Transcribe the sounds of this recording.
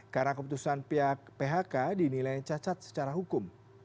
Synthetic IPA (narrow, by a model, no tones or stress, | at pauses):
karnakəp̬ut̪usanpiapeɦakadinilajt͡ʃat͡ʃat̪̚sə̥t͡ʃaɾaɦukʊm